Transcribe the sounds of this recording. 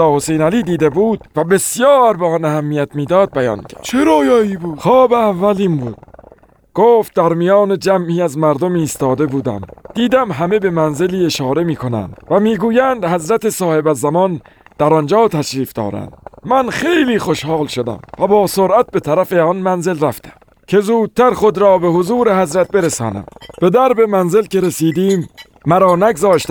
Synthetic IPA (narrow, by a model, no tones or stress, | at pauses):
ɒːhosejnæliːd̪iːd̪ebuːd̪̥̚væbe̞sjɒːɾbeɒnæhæmːiːjæt̪miːd̪ɒːd̪̚bæjɒ̰ːncʰæ̰t͡ʃʰeɾɒːjɒːiːbu̥ːxɒːbeævːæliːmbuːd̪̥̚ | ɡ̥oːft̪̚d̪æɾmijɒːned͡ʒæmʔiːæzmæɾd̪omiːst̪ɒːd̪e̞buːd̪æ̰md̪̥iːd̪æmɦæme̞be̞mænze̞liːe̞ʃɒːɾe̞miːkʰonæ̰nd̪væmiːɡuːjænd̪hæzɾæt̪esɒːhe̞bæzːæmɒn | d̪̥æɾɒnd͡ʒɒːt̪ʰæʃɾiːfd̪ɒ̰ːɾæ̰nd̪̥mænχe̞jliːxo̞ʃhɑːlʃod̪æ̰mvæbɒːsoɾʔæt̪̚be̞t̪ʰæɾæfeɒnmænze̞lɾæft̪ʰæ̥m | kʰe̞zuːd̪̥̚t̪ʰæɾχod̪ɾɒːbe̞ɦozuːɾe̞ɦæzɾæt̪̚be̞ɾesɒːnæ̰mb̥e̞d̪æɾbe̞mænze̞lke̞ɾesiːd̪iːmː | æɾɒːnæɡzɒːʃt̪æ